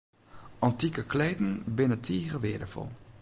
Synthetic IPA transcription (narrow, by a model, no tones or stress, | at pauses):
ɑntikəkleːdn̩bɪnətʰiːɣəʋɪːdəfɔ̰lˠ